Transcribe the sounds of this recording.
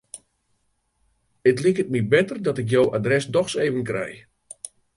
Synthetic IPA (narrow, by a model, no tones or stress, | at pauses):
ətlikət̚mibɛtərdɔtɪk̬jowadrɛsdɔxseːvənkrɛ̰j